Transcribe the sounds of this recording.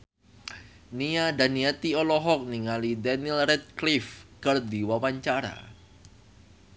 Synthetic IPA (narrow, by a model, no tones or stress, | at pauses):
niadaniat̪iɔlɔɦɔk̚niŋalidanilrɛt̪̚klifkərd̪iwawaɲt͡ʃaɾa̰